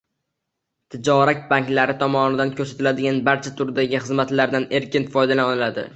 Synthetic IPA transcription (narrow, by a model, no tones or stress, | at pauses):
t̪ʰɪd͡ʒɒɾak̚ʲbaŋkʲlaɾɪt̪ʰɒmɒnɪd̪ankʰɵɾsat̪ʰɪlad̪ɪɡʲanbaɾt͡ʃʰat̪ʰʊɾd̪aɡʲɪχɨzmat̪laɾd̪ane̞ɾkʲɪnfɒjd̪alaɒnɪlad̪ɪ̰